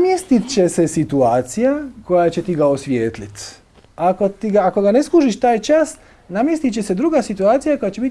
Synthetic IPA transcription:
amjest̪it̪t͡ɕesesit̪uaːt̪sijako̞jat͡ɕe̞t̪iɡaosʋjeːt̪lit̪ | ako̞t̪iɡaːko̞ɡane̞skuːʒiʃt̪aːjt͡ʃas | namjest̪it͡ɕese̞d̪ɾuɡasit̪uaːt̪sijako̞jat͡ɕe̞bit̪ʲ

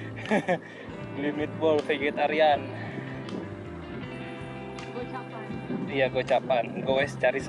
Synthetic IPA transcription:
limit̪̚bɔlfeɡet̪aɾian | t͡ʃa | ijaɡot͡ʃapanɡowɛsə̥t͡ʃaɾis

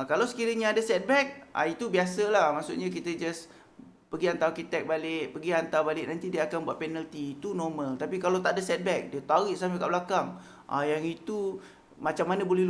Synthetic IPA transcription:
kalawsə̥kiɾəɲãːadasɛt̪̚bɛk̚ʔa̰it̪ubiasəlahmaʔsʊ̰ʔɲãk̬it̪əd͡ʒas | pəɡiant̪awkit̪ɛk̚balɪʔpəɡiant̪awbalɪʔnant̪idiəakanbuat̪ʔ̪̚pɛnəlt̪iːt̪unɔrməlt̪apikalawt̪aʔadasɛt̪̚bɛk̚diət̪awiʔsaməkaʔbəlakaŋ | ʔa̰jaŋit̪u | mat͡ʃamːanabolɛhl

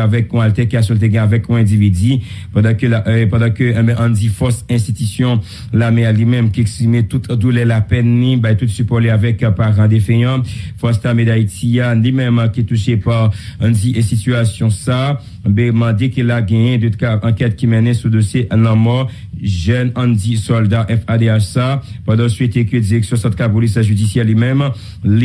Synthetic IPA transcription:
avɛkɔ̃alt̪ɛkiasɔ̃lt̪̬eɡɛ̃avɛkɔ̃ɛ̃d̪ivid̪i | pɑ̃d̪ɑ̃kapɑ̃d̪ɑ̃køɛ̃bɛ̃ʔɑ̃d̪ifɔsɛ̃st̪it̪ysjɔ̃ | lamealimɛ̃mkiɛkspʁimet̪ut̪d̪ulɛlapɛnːĩbajt̪ut̪sypɔleavɛkpaʁɑ̃d̪efɛ̃jɑ̃fɔst̪amed̪ait̪ialimɛ̃makit̪uʃepaʁɑ̃d̪iʔsit̪yasjɔ̃sa | bɛmɑ̃d̪ekelaɡɛ̃jɛ̃d̪ot̪kaʔɑ̃kɛt̪̚kimɛnɛ̃sud̪osjeʔnãmɔ | ʒɛnɑ̃d̪isɔld̪aʔɛfad̪eaʃsapɑ̃d̪ɑ̃sɥet̪ekød̪iʁɛksjɔ̃sɑ̃t̪kapolis̬ʒyd̪isjɛlimɛ̃m | l

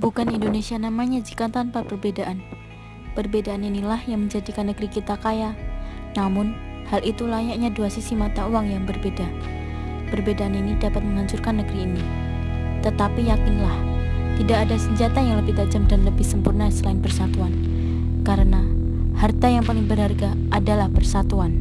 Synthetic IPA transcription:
bukanindonesianamaɲad͡ʒikat̪anpapərbedaʔan | pərbedaːninilahjaŋməɲd͡ʒadikanːəɡɾikit̪akajanamʊnhalʔit̪ulaɲaʔɲaduasisimat̪auwaŋjaŋbərbeda | pərbedaʔaninidapat̪̚məŋaɲt͡ʃʊrkanːəɡɾiːni | t̪ət̪apijakɪnlaht̪idakadasəɲd͡ʒat̪ajaŋləbɪhdaʔd͡ʒəmdanləbɪhsəmpurnasəlaɪnbərsat̪uan | kaɾəna | hart̪ajaŋpalɪŋbərɦarɡa | adalahpərsat̪uan

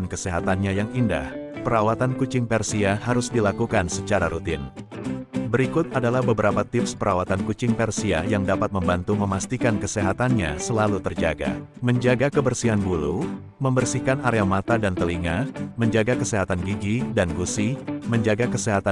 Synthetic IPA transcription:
nkəseɦat̪anɲajaŋinda̰hpəɾawat̪ankut͡ʃɪŋpɛrsiahaɾʊsdilakukansət͡ʃaɾaɾut̪ɪ̰n | bəɾikʊt̪̚adalahbəbəɾapat̪ɪpspəɾawat̪ankut͡ʃɪŋpɛrsiajaŋdapat̪̚məmbant̪uməmast̪ikankəseɦat̪anɲa̰səlalut̪ərd͡ʒaɡa̰ | məɲd͡ʒaɡakəbərsiɦanbulṵ | məmbərsikanaɾeamat̪adant̪əliŋaməɲd͡ʒaɡakəseɦat̪anɡiɡidanɡusiməɲd͡ʒaɡakəseɦat̪a

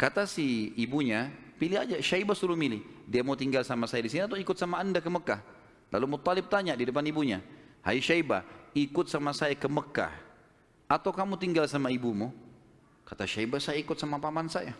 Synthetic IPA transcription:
kat̪asihːbuɲapilɪɦad͡ʒaʃaibasuɾuhmilɪdiamaut̪iŋɡalsamasajadisiniat̪wikʊt̪samaːndakəməkah | lʔa̰lumʊt̪ːalɪb̚t̪aɲadidəpanibuɲaha̰iʃaiba̰ikʊt̪̚samasajakəməka̰h | at̪awkamut̪iŋɡalsamaibumu | kat̪aʃaibasajaikʊt̪̚samapamansaja

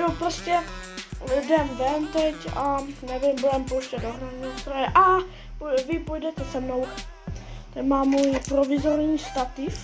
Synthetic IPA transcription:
jopɾoscɛ | dɛmvɛnt̪ɛcanɛvɪmbudɛmpowʃcɛdoɦɾaɲist̪ɾojɛʔa | pvɪpojdɛt̪ɛsɛmnow | t̪ɛmaːmːuːjpɾovɪzoɾɲiːst̪at̪ɪf

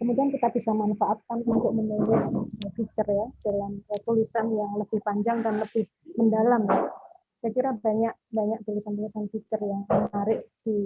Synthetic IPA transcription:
kəmudiankit̪aʔ̚b̥isamanfaʔat̪̚kanunt̪ʊk̚mənulɪsəfit͡ʃərjadəlanət̪ulisanjaŋləb̥ɪhpaɲd͡ʒaŋdanləbɪh | məndalamja | sajakiɾabaɲak̚baɲak̚t̪ulisant̪̬ulisanfit͡ʃərjaŋnaɾɪʔdi

